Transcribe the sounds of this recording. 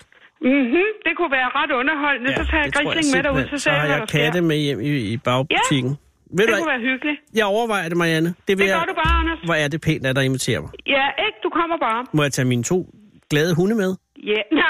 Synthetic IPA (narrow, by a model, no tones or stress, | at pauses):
m̩ɦ̩d̥e̝kʰuʋæːɐʁɑd̥ɔ̽nɐɦɒ̽l̰mesɒ̽t͡sʰɑ̰ːjaɡʁileŋ̩meɾɑuðˠsɔsjɑkʰædemejem̰iːb̥ɑ̈ʊbut͡sʰiɡ̥n̩ | ʋeʋæːɐɦyɡ̥əlijɑ̈ɪɒʊɐʋɑ̈ɪ̰ɐd̥e̝mɑiænəd̥e̝ʋejɾub̥ɑɑnɐsʋɒæɐd̥e̝pʰe̝̰ːnd̥æd̥ɑ̈e̝nʋit͡sʰe̝̰ːɐmɑ̈ɪjæeɡ̥d̥ukʰɒ̽m̰ɐb̥ɑ̈ːmɔ̽jɑ̈ɪt͡sʰɛ̰ːminət͡sʰo̝̰ː | ɡ̥lɛːð̞ˠəɦunəmeð̞ˠ | jæ